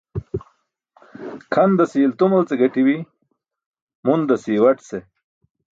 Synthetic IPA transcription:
kʰɐnd̪ɐsiːlt̪umɐlt͡seɡɐʈiwi | mund̪ɐsiwɐʈse

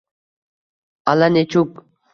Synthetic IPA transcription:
alanet͡ʃʰuk̚

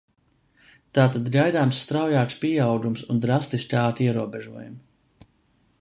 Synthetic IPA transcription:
t̪aːt̪ad̪ɡajd̪aːmsːt̪ɾawjaːkspiɛawɡumsund̪ɾast̪isʲkaːt̪iɛɾuɔbɛʒuɔjum

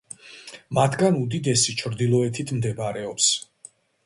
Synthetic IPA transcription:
mat̪ʰɡanud̪id̪ɛsit͡ʃʰɾd̪ilˠɔɛt̪ʰit̪ʰmd̪ɛbaɾɛɔps

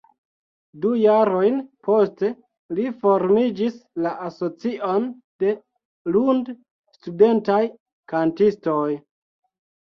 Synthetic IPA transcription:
dujaɾo̞jnpo̞ste̞ | lifo̞ɾmid͡ʒislaʔaso̞t͡siʔo̞n | de̞ | lund | stude̞ntaj | kantisto̞j

